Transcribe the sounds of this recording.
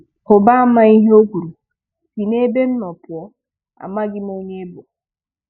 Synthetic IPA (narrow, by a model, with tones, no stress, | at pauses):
ho˨ba˦ma˦i˦ɦe˦o˦ɡu˨ɾu˨ | fi˨ne˦be˦nː˦ɔ˨pu˨ɔ˦ | a̰˨ma˦ɡi˦me˨i˦ɲe˦bo˨